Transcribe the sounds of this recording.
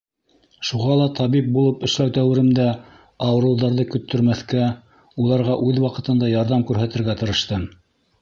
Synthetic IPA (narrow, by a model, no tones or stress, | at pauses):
ʃuʁɑlˠɑt̪ʰɑβip̚bulˠɤpɘ̆ʃlæwt̪æwɘ̆ɾɘ̆md̪æ | ɑwɤ̆ɾɤ̆w̪ðɑɾðɤkɵ̆t̪ʰːɵ̆ɾmæθkæ | ulˠɑɾʁɑʔʉðwɑqɤ̆t̪ɤ̆nd̪ɑjɑɾðɑmkʉɾɦæt̪ɘ̆ɾɡæt̪ɤ̆ɾɤ̆ʃt̪ɤm